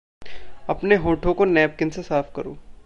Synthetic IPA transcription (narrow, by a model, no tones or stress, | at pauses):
ɐpneɦõːʈʰõkonɛːp̚kɪnsesaːfkɐɾo̰ː